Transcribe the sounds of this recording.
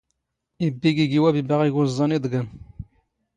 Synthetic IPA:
ibːiɡiɡiwæbibaʁiɡuzˤːɑnid̪ˤɡən

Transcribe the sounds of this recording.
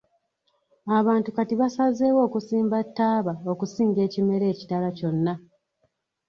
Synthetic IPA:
aβaːntukatiβasaze̞ːwo̞ːkusiːmbatːaːβao̞kusiːŋɡe̞ːcime̞ɾe̞ːci̥talaco̞nːa

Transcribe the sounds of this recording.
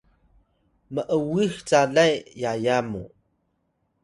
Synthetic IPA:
məʔəwixt͡saɮajjajamṵ

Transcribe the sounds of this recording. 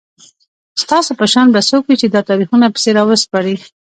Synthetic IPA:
st̪ɑsopəʃɑnbasokwit͡ʃed̪ɑt̪ɑɾixunapə̥seɾɑwəspɑɾi

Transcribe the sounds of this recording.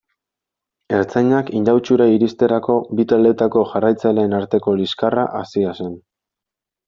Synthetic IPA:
e̞ɾt͡sajɲakind̪awt͡ʃuɾaiɾist̪e̞ɾako̞bit̪ale̞t̪ako̞ʝarajt͡sale̞ːnaɾt̪e̞ko̞liskara̰ʔasiasen

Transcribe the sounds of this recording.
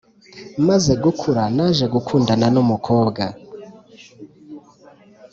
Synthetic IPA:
mazeɡukʰuɾanaʒe̞ɡukʰuːndananumukʰoːbɡa

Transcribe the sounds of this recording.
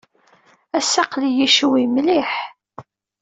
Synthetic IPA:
æsːɑqlijiʃwimliħ

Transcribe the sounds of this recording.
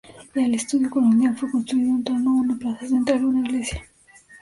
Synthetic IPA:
jalest̪uðjukolond̪jalfekõnst̪ɾuiðount̪oɾnoɣnaplasezent̪alunaiɣlesja

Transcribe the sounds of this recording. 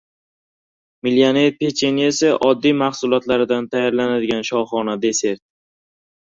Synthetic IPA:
milijaneɾpʰet͡ʃʰeniesɪʔɒd̪ːijmaχsʊlˠɒt̪laɾɪd̪ant̪ʰajɒɾlanad̪ɪɡʲanʃɒwχɒnad̪e̞se̞ɾt̪̚

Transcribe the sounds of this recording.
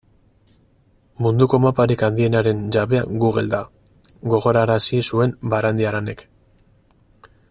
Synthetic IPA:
mund̪uko̞mapaɾikand̪ie̞naɾe̞nd͡ʒaβe̞a̰ɡuɣe̞̰ld̪a | ɡo̞ɣo̞ɾaɾasisue̞mbaɾand̪iaɾane̞k

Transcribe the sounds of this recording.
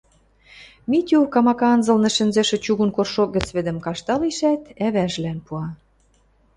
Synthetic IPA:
mit̪ʲuwkɑmɑkɑnzɤ̆lnɤ̆ʃɘ̆nzĕʃɘ̆t͡ɕuɣunkorʃok̚ɡə̆t͡sβɘ̆d̪ə̆mkɑʃt̪ɑliʃæt̪æβæʒlænpuɑ

